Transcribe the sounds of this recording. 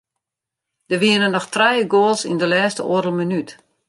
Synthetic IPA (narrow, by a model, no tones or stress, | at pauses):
d̥əʋiənənːɔxtrɛjəɡoːlˠsḭndəlɛːstəoəɾəl̩ˠmənyt